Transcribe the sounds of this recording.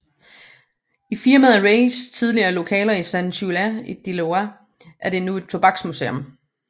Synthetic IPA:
ifiɐməðˠæʁeɪst͡sʰið̞ˠliɐːlo̝kʰɛ̰ːlɐisænɕulæid̥iloæ | ʔæɐd̥e̝nue̝d̥̚t͡sʰo̝b̥ɑ̈ɡ̥smusḛɔm

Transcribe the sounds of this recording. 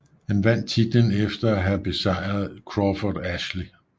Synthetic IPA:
hænʋæn̰d̥̚t͡sʰid̥enefd̥ɐæɦæb̥e̝sɑ̈ɪ̰ʁɐð̞ˠkʰʁɒfɒdæɕli

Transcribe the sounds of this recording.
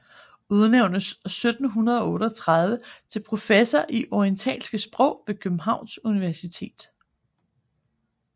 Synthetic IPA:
uð̞ˠneʊ̰nəsːød̥n̩ɦunɐð̞ˠɒ̽ɔ̽ːɾəɒt͡sʰʁɑð̞ˠʋət͡sʰe̝lpʰʁo̝fesɐʔiʔɒiənt͡sʰɛ̰ːlsɡ̥əsb̥ʁɔ̽ʊ̰ʋe̝kʰøb̥m̩ɦɑ̈ʊ̰nsuniʋæɐsit͡sʰe̝̰ːd̥

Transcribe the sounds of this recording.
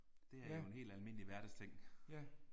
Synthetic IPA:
d̥e̝æɐjjo̝e̝ne̝̰ːld̥ælme̝n̰əliʋæɐd̥əst͡sʰeŋ̰

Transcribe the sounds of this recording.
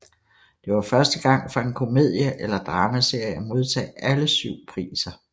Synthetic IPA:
d̥e̝ʋɑ̈fɶɐsd̥əɡ̥ɑ̈ŋ̰fɒe̝nkʰo̝me̝ð̰ˠjəʔelɐd̥ʁɑ̈ːməse̝ɐ̰jæmo̝ð̞ˠt͡sʰɛ̰ːæləsyʊ̰pʰʁḭːsɐ

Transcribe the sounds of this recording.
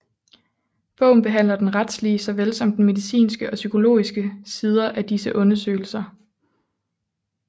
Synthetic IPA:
b̥ɔ̽ʊ̰n̩b̥e̝ɦæn̰lɐd̥enʁad̥sliəsɒ̽ʋelsɒ̽m̰d̥nme̝ðˠisḭːnsɡ̥əʔɒ̽sykʰo̝lo̝̰ːisɡ̥əsið̞ˠɐʔæd̥isəʔɔ̽nɐsø̰ɪl̩sɐ

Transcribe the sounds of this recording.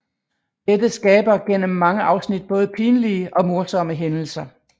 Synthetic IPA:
d̥ed̥əsɡ̥ɛːb̥ɐɡ̥en̰əmːɑ̈ŋəʔɑ̈ʊsnid̥̚b̥ɔ̽ːð̞̩ˠəpʰiːnəliəʔɒ̽mo̝ɐsɒ̽məɦenl̩sɐ

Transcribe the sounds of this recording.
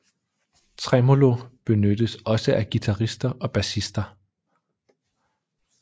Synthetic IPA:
t͡sʰʁɛmo̝lob̥e̝nød̥əsɒ̽səʔæɡ̥it͡sʰɑʁisd̥ɐʔɒ̽b̥æsisd̥ɐ

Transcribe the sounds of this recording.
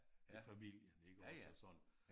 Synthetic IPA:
ifæmil̰jəne̝ɡ̥əɒsəsɒ̽n̰n

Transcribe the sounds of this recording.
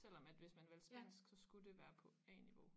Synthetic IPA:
sel̰ɒ̽mæd̥ʋe̝smænʋelsb̥æn̰sɡ̥sɒ̽sɡ̥ud̥e̝ʋæːɐpʰɒ̽ɛːniʋo̝

